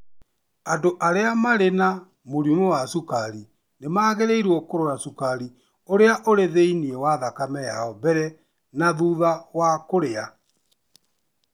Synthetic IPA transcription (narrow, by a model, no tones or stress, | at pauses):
andoʔaɾeamaɾena | moɾumowasukaɾi | nemaːɣeɾeiɾwɔkoɾoɾasukaɾi | oɾeaʔoɾeðeiniɛwaðakamɛjaɔbɛɾɛ | naðuðawakoɾea